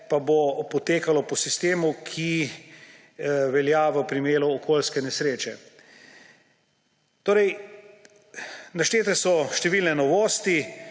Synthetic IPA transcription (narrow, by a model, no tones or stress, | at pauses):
pabopɔt̪eːkalɔpɔsist̪eːmukʰi | ʋɛljaʋəpɾimeːluːkʰoːlskɛnɛsɾeːt͡ʃɛ | t̪oːɾɛj | naʃt͡ʃ̪eːt̪ɛsɔʃt̪ɛʋiːlnɛnɔʋoːst̪i